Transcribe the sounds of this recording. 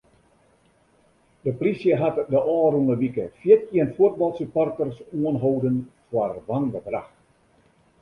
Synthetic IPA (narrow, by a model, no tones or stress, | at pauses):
dəprisjəɦatdəʔɔːruŋəʋikəfjɪtiənfut̚bɑlˠsupɔrtərsuənɦowdənfwarʋanɡəbra̰xt